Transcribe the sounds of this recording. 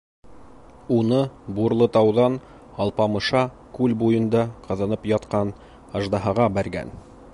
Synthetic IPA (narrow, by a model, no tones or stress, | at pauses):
unɤbuɾlˠɤt̪ɑwðɑn | ɑlˠpɑmɤ̆ʃɑ | kʉlbujɤ̆nd̪ɑqɑ̆ðɑnɤpjɑt̪qɑn | ɑʒd̪ɑɦɑʁɑbæɾɡæ̰n